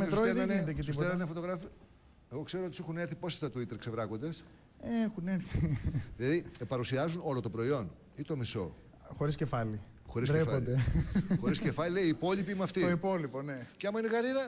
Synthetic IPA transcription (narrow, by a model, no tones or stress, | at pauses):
mesuɾoeðenind̪eket̪senɐnefo̞t̪o̞ɣɾɐfi | eɣo̞kse̞ɾoot̪isixuneɾθipo̞se̥t̪ɐt̪uit̪eɾkse̞vɾɐko̞nd̪es | exuneɾθiðilɐðipɐɾusiɐzuno̞lot̪opɾo̞io̞n | it̪o̞miso̞̰ | xo̞ɾiscefɐli | xo̞ɾisɾeefɐod̪exo̞ɾɾiscefɐʎileiːpo̞ʎipimuɐft̪ioipoliponeceɐmɐineɣɐɾiðɐ